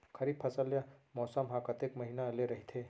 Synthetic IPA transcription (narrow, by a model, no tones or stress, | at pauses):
kʰəɾid̪̚pʰəsəljamɔsəmɦãkət̪ekməɦinaleɾəɦit̪ʰe